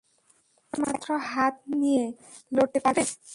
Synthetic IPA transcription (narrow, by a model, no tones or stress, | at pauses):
ma̰t̪ːɾɔɦat̪̚nije | loʈːepabe